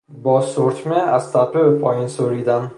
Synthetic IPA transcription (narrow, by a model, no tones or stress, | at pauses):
bɒsoɾt͡ʃmeast̪apʰɪpʰɒjɪnsoɾid̪an